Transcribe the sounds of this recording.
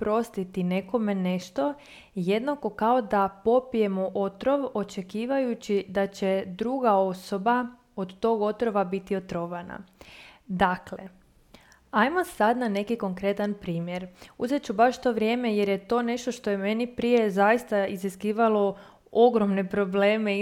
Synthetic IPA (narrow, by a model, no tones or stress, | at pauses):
pɾo̞st̪it̪ine̞ko̞me̞ne̞ʃt̪o̞ | jed̪nako̞kaod̪apo̞pije̞moʔot̪ɾo̞ʋo̞t͡ʃe̞kiːʋajut͡ɕid̪at͡ɕed̪ɾuɡao̞soba | od̪t̪o̞ːɡo̞t̪ɾo̞ʋabit̪io̞t̪ɾoʋana̰ | d̪akle̞̰ | ajmosad̪nane̞kiko̞ŋkɾe̞t̪anpɾiːmje̞ɾuzet͡ɕubaʃt̪o̞ʋɾje̞ːme̞je̞ɾjet̪o̞ːne̞ʃt̪oʃt̪o̞jeme̞nipɾije̞zajist̪aiziskiːʋalo̞ | oɡɾo̞mne̞pɾo̞ble̞ːme